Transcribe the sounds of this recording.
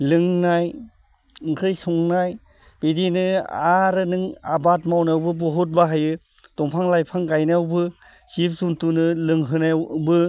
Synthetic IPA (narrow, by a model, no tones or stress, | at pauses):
lɯŋnaj | ɯŋkʰɾɯjsɔŋnaj | b̥idinɯaɾɯnɯŋa̰batmawnawbɯbɔɦɔt̚baɦajɯ | tɔŋpʰaŋlajpʰaŋɡajnawbɯ | sip̚suntunɯlɯŋɦɯnabɯ